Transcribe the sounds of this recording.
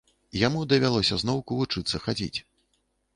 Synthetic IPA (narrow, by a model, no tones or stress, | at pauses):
jamud̪ɐvʲalˠɔsʲɐznɔwkuvut͡ʂɨt̪sːɐxad͡zʲḭt͡sʲ